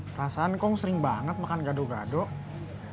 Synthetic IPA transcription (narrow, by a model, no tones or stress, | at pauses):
rasaːnkɔŋsəɾɪŋbaŋət̪̚makanɡadoɡa̰dɔʔ